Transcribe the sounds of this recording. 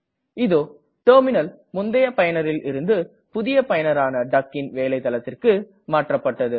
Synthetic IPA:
ɪðoː | ʈoːɾmɪnɐl | mʊnd̪ɐjɐpɐjɐnɐɾɪlɪɾɯnd̪ɯ | pʊðɪjɐpɐjɐnɐɾaːnɐɖɐkːɪnʋeːlɐɪt̪ːɐlɐt̪ːɪrkɯ | maːʈrɐpːɐʈːɐðɯ

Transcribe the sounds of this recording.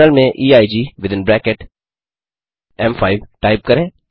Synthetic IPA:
əlmẽʔiːaːɪd͡ʒiːʋɪd̪ɪ̃nbɾɛːkeʈ | ɛ̃mfaːɪʋʈaɪp̚kɐɾẽː

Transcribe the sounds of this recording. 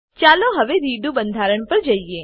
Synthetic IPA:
t͡ʃaloɦəʋeɾiɖubənd̪ʱaɾəɳ̃pəɾd͡ʒəie

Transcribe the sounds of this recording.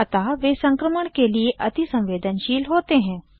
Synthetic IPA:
ɐt̪aʋeːsɐ̃ŋkɾəməɽ̃kelieʔɐt̪isɐ̃mʋeːd̪ʱənʃiːlɦoːt̪eɦɛ̃ː

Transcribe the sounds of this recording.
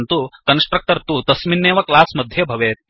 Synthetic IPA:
nt̪ukɐnsʈɾɐk̚ʈɐɾt̪ut̪ɐsminːeːʋɐklaːsmɐd̪ʱjɐbʱɐʋeː

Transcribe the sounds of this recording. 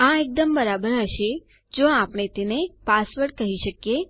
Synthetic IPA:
ãek̚d̪əmbəɾabəɾɦəʃe | d͡ʒoãpɳ̃et̪enepasʋəɽkəɦiʃəkje

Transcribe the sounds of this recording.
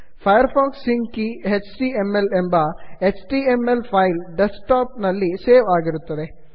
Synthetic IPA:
pʰɐjɐɾpʰaːkssiŋkiɦet͡ʃʈiːemːelembɐet͡ʃʈiːemelpʰɐjlɖesʈaːp̚nɐlːiseːʋaːɡiɾut̪ːɐd̪e̞

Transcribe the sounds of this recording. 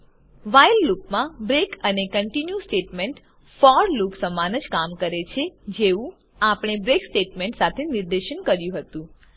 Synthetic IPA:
ʋajlːupmãbɾekənekəɳʈinjusʈeʈmeɳʈ | fɔɾlupsəmanəd͡ʒkamkəɾet͡ʃʰed͡ʒeʋũ | apɽ̃ebɾeksʈeʈmẽɳʈsat̪ʰeniɾd̪eʃənkəɾjũɦət̪ũ

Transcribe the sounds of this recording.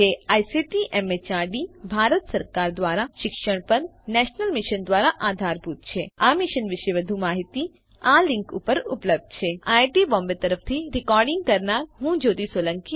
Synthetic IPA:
eajsiʈiʔɛmet͡ʃaɾɖibʱaɾət̪səɾkaɾd̪ʋaːɾaʃɪkʃəɽ̃pəɾnɛʃnəlmɪʃənd̪ʋaːɾaʔaːd̪ʱaɾput̪̚t͡ʃʰeamɪʃənʋɪʃeʋəd̪ʱumaːɦit̪i | alɪ̃ŋkṵpəɾʊ̰pləb̚d̪̚t͡ʃʰeajʈibɔ̃mbet̪əɾəpʰt̪ʰiɾɪkɔɾɖɪ̃ŋɡ̚kəɾnaɾɦũd͡ʒoːd̪isolə̃ŋki

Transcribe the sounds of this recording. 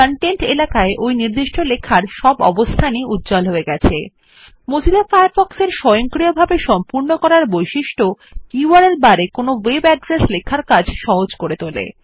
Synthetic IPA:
kaɳʈeɳʈelakaeʔojniɾd̪iʃʈʰolekʰːaɾʃɔbɔ̰bost̪ʰaniut̪̚ːd͡ʑalɦoeɡɛt͡ɕʰe | mod͡ʑʱilafajaɾfɔkseɾʃɔjoŋkɾiobʱabeʃɔmpuɾnokɔɾaɾbojʃiʃʈʰokuwaɾelbaɾekonowebɛɖɾeslekʰːaɾkad͡ʑʱʃɔɦod͡ʑkoɾet̪olḛ

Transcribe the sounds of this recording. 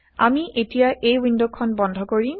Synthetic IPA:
a̰miʔetijaʔejwindokʰɔnbɔndʱɔkoɹi

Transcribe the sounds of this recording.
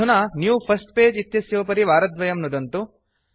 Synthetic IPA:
unɐnjuːpʰɐsʈpeːd͡ʒit̪jɐsjoːpɐɾiʋaːɾɐd̪ʋɐjɐmnud̪ɐnt̪u

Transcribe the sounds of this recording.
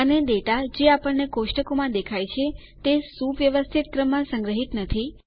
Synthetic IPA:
əned̪eʈad͡ʒeapəɳnekoʃʈəkomãd̪ekʰajt͡ʃʰe | t̪esuʋʋjəʋəst̪ʰit̪̚kɾəmːãsə̃ŋɡɾəɦit̪nət̪ʰi

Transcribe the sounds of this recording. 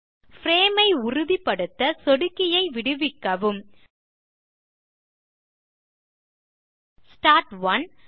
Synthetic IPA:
fɾeːmɐɪʊrʊðipːɐɽɯt̪ːɐsɔɽɯkːɪjɐɪʋɪɽɯʋɪkːɐʋɯm | sʈaːɾʈʋɐn

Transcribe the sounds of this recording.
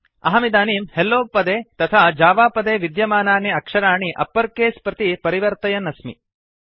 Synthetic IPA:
ɐ̰ɦɐmid̪aːniːmhelːoːpɐd̪eːt̪ɐt̪ʰad͡ʒaːʋaːpɐd̪eːʋid̪jɐmaːnaːɳiɐkʂɐɾaːɳiʔɐ̰pːɐɾkeːspɾɐt̪ipɐɾiʋɐɾt̪ɐjɐnɐsmḭ

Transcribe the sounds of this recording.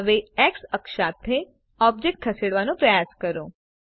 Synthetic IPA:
ʋeɛːksɐkʃat̪ʰːe | ɔːb̚d͡ʒek̚ʈ̚kʰɐseːɽʋanõpɾɐjaːskəɾoː

